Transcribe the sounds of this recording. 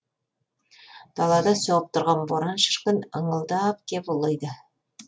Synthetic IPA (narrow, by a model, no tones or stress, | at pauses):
d̪̥ɑlˠɑd̪ɑsoʁəp̚t̪ʰʊ̆ɾʁɑnboɾɑnʃə̥ʃqənəɴəlˠd̪ɑp̚kʲʰepʊlˠɤjd̪ə